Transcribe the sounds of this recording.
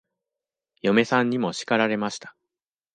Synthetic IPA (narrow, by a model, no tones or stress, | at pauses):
jo̞me̞sãɲ̟ːimo̞ɕi̥kaɾaɾe̞maɕi̥t̪ḁ